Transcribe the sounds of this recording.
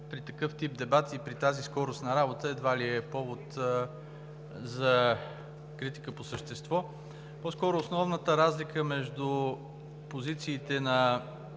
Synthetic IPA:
pɾit̪ɐkɤft̪ip̚d̪ɛbat̪ipɾit̪aziskɔɾʊst̪nɐɾabot̪əɛd̪valiɛpɔvot̪ | zɐ | kɾit̪i̥kəposəʃt̪ɛst̪vɔ | pɔskɔɾʊːsnɔvnət̪əɾazlikəmɛʒd̪ʊ | pozit̪siːt̪ɛnɐ

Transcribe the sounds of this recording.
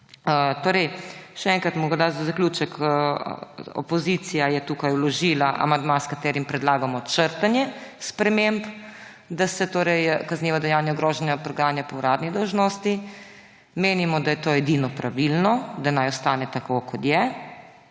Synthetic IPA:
ət̪oːɾɛjʃɛɛŋkɾat̪mɔɡɾd̪azazaklʲjuːt͡ʃəkʰ | ɔ̰pɔzisijajɛt̪uːkajwlɔʒiːlaʔa̰mand̪maskat̪ɛːɾimpɾɛd̪laːɡamɔt͡ʃəɾt̪anjɛspɾɛmemp | d̪asɛt̪oːɾɛjkazniːʋɔd̪ɛjanjaɡɾoːʒɛnjapɾɔɡɾanjapɔwɾaːd̪nid̪ɔwʒnost̪i | meːnimɔd̪ajɛt̪oːɛd̪inɔpɾaʋilnɔd̪anajɔst̪aːnɛt̪akokɔt̪jɛ

